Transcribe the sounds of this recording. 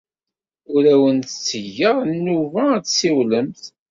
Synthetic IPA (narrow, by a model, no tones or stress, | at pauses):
ʊɾæwənt̪t͡sːəʝːəɾˤnːuvæætsiwləmθ